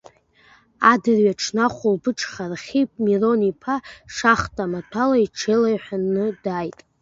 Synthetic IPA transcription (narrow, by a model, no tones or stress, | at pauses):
adɨrɥaʈ͡ʂʰnaχʷulbɨʈ͡ʂʰʼχarχʲipʼmiro̞nipʰaʂaχtʼamatʷʰalaiʈ͡ʂʰelajħʷᶣanɨdajtʼ